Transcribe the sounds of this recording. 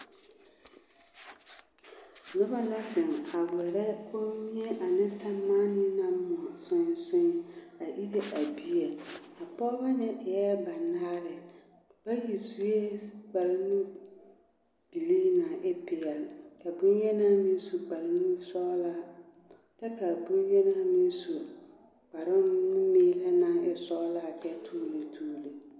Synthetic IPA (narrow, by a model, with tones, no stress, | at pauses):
nʊ˦ba˦la˦sɪ˨ŋa˨wɛ˨ɾɛ˦o˦mi˦e˦ʔa˨nɪ˦sa˦maː˦nɪ˦na˦mʊ˨a˨sʊ˦n˦sʊ˦n˨a˨ʔi˦ɾe˦ʔa˨bi˦e˨a˨pɔː˦ba˦nɪ˦ʔɪ˨jɛ˦ba˨naː˦ɾɪ˨ | b̥a˦ji˨su˨je˦ɡ͡ba˨lɪ˦nu˦ | b̥i˨liː˦nã˨ʔɪ˦pɪ˨ɛ˨lka˨bu˦njɛ˦na˦mĩ˦n˦su˨ɡ͡ba˨lɪ˦nu˦sɔ˦la˦˨ | tɛ˦ka˨bu˦njɛ˦na˦mi˦n˦su˨ | k͡pa˨ɾɪ˦nʊ˦meː˦la˦na˨ɪ˨sɔː˦laː˦˨t͡ʃɛ˦tʰuː˦le˨tʰuː˦le˨